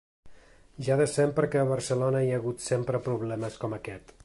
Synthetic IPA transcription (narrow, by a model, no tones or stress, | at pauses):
ʒaðəsɛmpəɾəkɛːβəɾsəlonəiəɣut̪sempɾəpɾuβlɛməskɔməkɛt̪